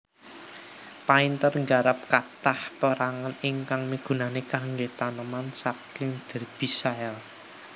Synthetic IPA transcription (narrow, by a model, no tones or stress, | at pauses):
paint̪ərŋɡaɾap̚kat̪ahpəɾaŋənɪŋkaŋmiɡ̥ṳnanekaŋɡet̪anəmansakɪŋd̪̥ɛ̤rb̥isaɛl